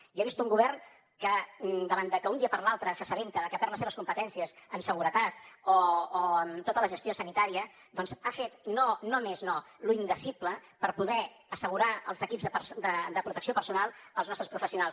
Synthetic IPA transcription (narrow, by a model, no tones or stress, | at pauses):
ieβist̪uŋɡuβɛrn | kəd̪əβand̪əkəund̪iəpəɾlalˠt̪ɾəsəsəβ̞ent̪əkəpɛɾləseβskumpət̪ɛnsiəsəmsəɣ̞uɾət̪at̪oːəmt̪ot̪ələʒəst̪iosənit̪aɾiə | d̪ɔnzafet̪nonomezno | luind̪əsipləpəɾpuðɛ | əsəɣ̞uɾaəlˠzəkipzðəpəsd̪əd̪əpɾut̪əksiopəɾsunalˠəlˠznɔst̪ɾəspɾufəsiunalˠs